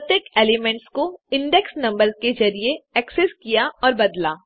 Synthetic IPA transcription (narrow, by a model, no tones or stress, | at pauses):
t̪ekeːlemɛ̃ɳʈskoɪ̃ɳɖɛksnɐ̃mbəɾzked͡ʒɐɾieɛkseskijaʔɔːɾbɐd̪laː